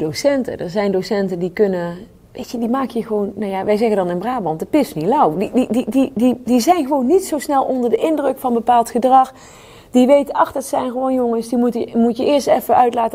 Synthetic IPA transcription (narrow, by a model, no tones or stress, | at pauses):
dowsɛntə̰dəɹzɛjndosɛntəndikɵnə | ʋejtədimaːkəjəχəʋownnawjaʋɛjzɛɣəndɑnɪnbraːbɑntdəpɪsnilɑwdidididididizɛjnɣəʋownːitsowsnɛlˠʔɔndəɹdəʔɪndrəkfɑnbəpaːlˠtχədrɑx | d̥iʋejtəɑxd̥ɑtsɛjnχəʋownjoŋənsdimutəmutjəʔɪːɹstɛfəʔœɥtlaːtə